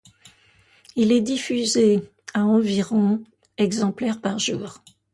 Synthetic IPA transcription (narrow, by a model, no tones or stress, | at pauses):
ilɛd̪ifyze | aɑ̃viʁɔ̃ | ɛɡzɑ̃plɛʁpaʁʒuːʁ